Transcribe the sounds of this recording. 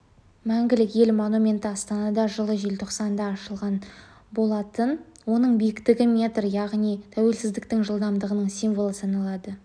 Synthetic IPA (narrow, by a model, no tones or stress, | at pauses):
mæŋɡʲɪlɪkje̞lmo̞numʲe̞nt̪əɑst̪ɑnɑd̪ɑʒəlˠəʒe̞lt̪ʰo̞qsɑnd̪ɑːʃəlˠʁɑn | bo̞lˠɑt̪ənwo̞nəɴbekt̪ɪɡʲɪmʲe̞t̪rjɑʁnijt̪ʰæwe̞lsɪzd̪ɪk̚t̪ɪŋʒəlˠd̪ɑmd̪əʁənəɴsijnvo̞lˠəsɑnɑlˠɑd̪ə